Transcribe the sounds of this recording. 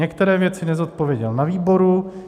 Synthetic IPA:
ɛkt̪ɛɾɛːvjɛt͡sɪnɛzot̪̚po̞vjɛɟɛlnaviːbo̞ɾu

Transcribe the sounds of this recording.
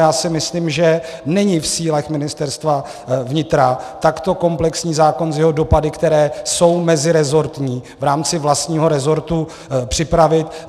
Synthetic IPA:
jaːsɪmɪsliːmʒɛnɛɲɪfsiːlɛxmɪnɪst̪ɛɾst̪va | vɲɪt̪ɾat̪akt̪o̞ko̞mplɛksɲiːzaːko̞nzjɛɦodo̞padɪkt̪ɛɾɛːso̞wmɛzɪɾɛzo̞ɾt̪ɲiːvɾaːmt͡sɪvlast̪ɲiːɦo̞ɾɛzo̞ɾt̪u | pr̝̥ɪpɾavɪt̪

